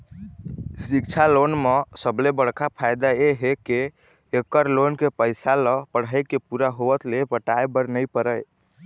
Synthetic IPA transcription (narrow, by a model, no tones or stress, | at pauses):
sik̚t͡ʃʰalonmesəblebəɽ̤kʰapʰajd̪aeɦekeː | kəɾlonkepəjsaləpəɽ̤əjkepuɾaɦoət̪lepəʈajbəɾnəjpəɾəj